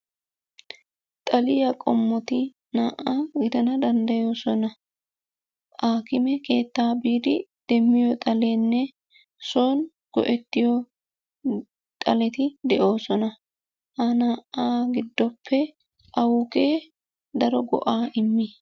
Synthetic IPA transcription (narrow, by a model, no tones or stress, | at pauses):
t̪ʼɐlɪjɐkʼɔmːɔt̪ɪ | naːʔaːɡɪd̪ɐnɐd̪ɐnd̪ɐjo̞ːsɔnɐ | ʔaːkɪmɛke̞ːt̪ːaːbiːd̪ɪd̪̥ɛmːɪjɔt̪ʼɐle̞ːnːɛ | soːn | ɡ̥ɔ̰ʔɛt̪ːɪjɔ | t̪ʼɐlɛt̪ɪd̪ɛʔo̞ːsɔnɐ | hanaːʔaːɡɪd̪ːɔpːɛ | ʔɐwʊke̞ː | d̪ɐɾɔɡɔ̰ʔaːʔɪmːɪ